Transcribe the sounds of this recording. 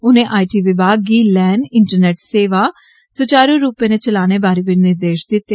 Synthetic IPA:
ʊnẽːʔaːiʈiːʋɪbaːɡiːlɛːɳɖɪɳʈəɾneːʈseːʋaː | sʊt͡ʃaːɾuːɾuːpẽːnet͡ʃəlaːñeːbaːɾiːbɪnɪɾd̪eːʃd̪ɪt̪ːeː

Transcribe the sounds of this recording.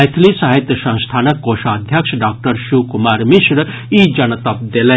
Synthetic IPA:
jt̪ʰlisaɦit̪jəsɐ̃w̃st̪ʰaːnəkːoːʃaːd̪ʱjɐkʂɖaːk̚ʈəɾʃuːkumaːɾmiʃɾə | id͡ʒɐnət̪ɐp̚d̪elɐ

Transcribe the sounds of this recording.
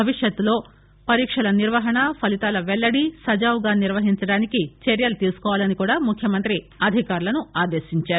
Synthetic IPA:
bʱɐʋiʂjɐt̪ːulo̞ː | pɐɾiːkʂɐlɐniɾʋɐɦɐɳɐpʰɐlit̪aːlɐʋɛɭːɐɽisɐd͡ʒaːʋɡaːniɾʋɐɦiɲt͡ʃɐɽaːnikit͡ʃeɾjɐlut̪iːlsu̥kɔːʋaːlɐnikuːɽaːmukʰjɐmɐnt̪ɾi | ɐd̪ʱikaːɾulɐnuaːd̪eːʃiɲt͡ʃaːɾu

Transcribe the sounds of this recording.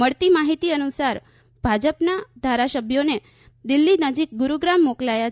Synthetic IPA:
məɭt̪imaɦit̪iənusaɾ | bʱad͡ʒəpnad̪ʱaɾasəbʱjone | d̪ilːinəd͡ʒik̚ɡuɾuɡɾamːoklaja

